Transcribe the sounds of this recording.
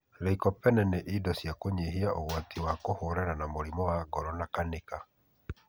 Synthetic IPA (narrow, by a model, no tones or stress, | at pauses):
ɾɛikɔpɛnɛneʔidɔsjakoɲeɦiaʔoɣwatiwakohoɾɛɾanamoɾimɔwaɡɔɾɔnakaneka